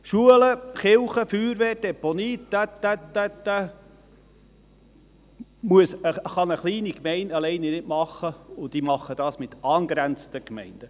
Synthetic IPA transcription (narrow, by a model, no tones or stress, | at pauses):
ʃuələχɪlχəfyːɾʋɛːd̥ɛponiːæt̪ːætːæt̪ːæ | muəsəχɑnəχliːnikmɛɪndɑlɛɪnɛnɪtmɑχːəʊd̥̪imɑχːəd̥ɑːsmɪt̪ɑːnɡɾænt͡sət̪əkmɛɪnd̥ə